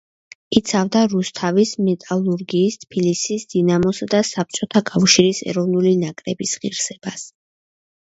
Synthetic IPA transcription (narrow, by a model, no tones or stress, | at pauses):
it̪sʰavd̪aɾust̪ʰavismɛt̪ʼalˠuɾɡiːst̪ʰpʰilisisd̪̥inamɔsad̪asap̚t͡ʃʼɔt̪ʰakʼafʃiɾisɛ̰ɾɔvnulinakʼɾɛbisʁiɾsɛb̥as